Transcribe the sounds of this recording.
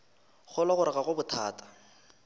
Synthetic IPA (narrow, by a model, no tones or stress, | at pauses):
χʊlaχʊɾɪɣaɣʊbʊtʰaːtʰḁ